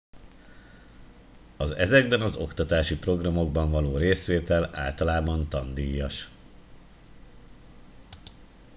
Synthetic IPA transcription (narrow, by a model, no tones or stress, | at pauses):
ɒzɛ̰zɛɡ̚bɛnɒzo̞kt̪ɒt̪aːʃipro̞ɡrɒmo̞ɡ̚bɒɱvɒloːɾeːsʋeːt̪ɛla̰ːlt̪ɒlaːbɒnt̪ɒnd̪ijːɒʃ